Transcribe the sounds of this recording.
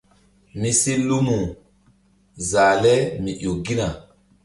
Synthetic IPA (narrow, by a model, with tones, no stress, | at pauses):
ni˦si˦lu˦mu˨ | zaː˨lɛ˦mi˨ʔo˨ɡi˦na˨